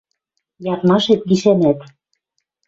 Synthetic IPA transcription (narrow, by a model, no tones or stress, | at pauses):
jɑt̪mɑʃet̪ɡiʃænæt̪